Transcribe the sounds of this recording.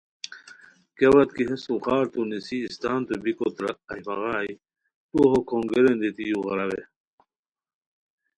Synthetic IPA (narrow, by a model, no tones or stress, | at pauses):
kewɐt̪kiɦesuxaːɾt̪unisiːst̪aːnt̪ubikot̪ɾɐɐjmɐɣaːi | t̪uɦokʰoŋɡeɾend̪it̪ijuɣɐɾɐwe